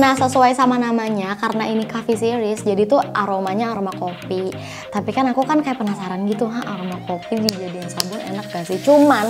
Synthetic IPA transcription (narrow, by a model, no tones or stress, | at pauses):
nasəsuajsamanamaɲakaɾənainikafisiɾɪsd͡ʒadit̪uaɾomaɲaːɾomakopi | t̪apikanakukankajapənasaɾanɡit̪uɦaʔaɾomakopidid͡ʒadɪŋsambʊnḛnak̚ɡasɪt͡ʃuman